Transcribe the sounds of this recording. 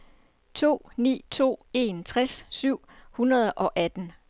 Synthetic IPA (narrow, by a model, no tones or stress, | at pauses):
t͡sʰo̝̰ːnḭːt͡sʰo̝̰ːe̝nt͡sʰʁassyʊ̰hunɐð̞ˠəʔɒ̽ʔæd̥n̩